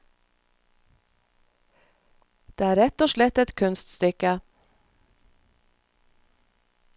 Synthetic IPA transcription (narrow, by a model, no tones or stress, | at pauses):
d̪̥eæɾɛt̪ːɔʂɭɛt̪ːɛt̪kʰɵnst̪st̪ʏkːə